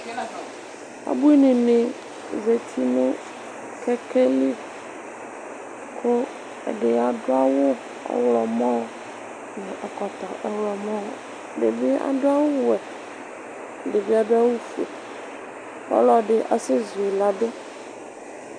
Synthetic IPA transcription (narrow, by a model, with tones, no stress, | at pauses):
a̰˨bu˦i˦nẽ˨nẽ˨ | ze˨t̪ʰi˦nũ˦ | kʰɛ˦ke˦li˦ | kʰo˦ | ḛ˨ɖe˨a˨ɖo˦a˦wo˦ | ḛ˦wlɔ˨mɔ̃˦ | nɔ̃˨ʔa˨kɔ˨t̪ɔ˨ʔɛ˨wlɔ˨mɔ̃˦˨ | ɖḛ˨vi˦a̰˨ɖo˦a˦wo˦wɛ˨ | ɖe˨vi˦a˨ɖo˦a˦wo˦fu˨ḛ˨ | pɔ̰˦la˨ɖe˨ʔa˨se˦zu˨e˨la˨ɖe˦